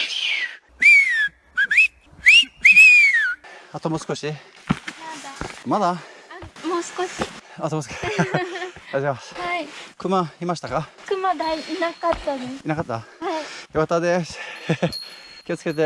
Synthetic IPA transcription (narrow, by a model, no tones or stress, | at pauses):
at̪omosɨ̥koɕi | mad̪amad̪a | amoːsɨ̥koɕiat̪omosk | aʑemashaikɯ̟maimaɕi̥t̪akakɯ̟mad̪aiinakat̪ːad̪esinakat̪ːahaijoat̪ad̪e̞ | kʲiot͡sɨ̥ke̞t̪̬e